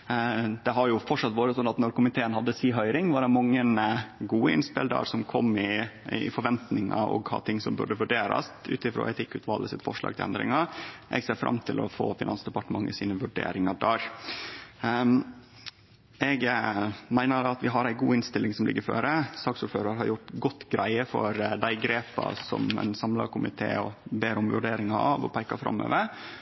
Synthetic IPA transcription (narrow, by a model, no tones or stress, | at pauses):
d̪̥ɛɦɑɾjʊfɔʈʂɑt̪ːʋoːɾət̪ʰɔnːɑt̪nɔɾkʊmɪt̪ʰeːənhɑd̪ːəsiːɦœʏɾɪŋʋɑɖɛmɑŋːənɡuːəɪ̰nspɪld̪ɑ̰ːɾsɔmkʰɔmːɪfɔɾʋɛnt̪nɪŋɑ̰ɔ̰ɡhɑ̰t̪ʰɪŋːsɔmbʉ̰ɖəʋʉɖeːɾɑ̰st̪ʉ̰ːt̪ɪfɾo̰ːʔɛt̪ʰɪkːʉːt̪ʰʋɑːləsɪt̪fɔ̰ʂlɑ̰ːɡ̪̚ʰɪlɛ̰nd̪ɾɪ̰ŋɑʔɛ̰ɡseːɾfɾʔɑ̰mt̪ʰɪlʔɔ̰fo̰ːfɪnɑnsd̪ɛpɑʈəmɑŋːəsiːnəʋʉɖḛːɾɪŋɑd̪æːɾ | ɛɡmæɪnəd̪ɑɑt̪ʋɪɦɑɾæɪɡuːɪnst̪ɪlːɪŋsɔmlɪ̰ɡːəɾføːɾəsɑːksuːɾføːɾɑɾɦɑɾjʊʈɡɔt̪ːɡɾʔæɪəfɔɾd̪æɪɡɾeːpɑsɔmæ̰ɪnsɑmlɑkʰʊmɪt̪ʰeːɔbeːɾʊmʋʉɖeːɾɪŋɑɑʋɔpʰæɪkɑfɾɑ̰mːø̰ːʋəɾ